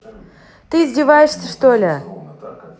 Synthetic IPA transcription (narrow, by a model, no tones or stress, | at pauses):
t̪ɨːzʲdʲɪvajɪʂsʲəʂt̪olʲɪ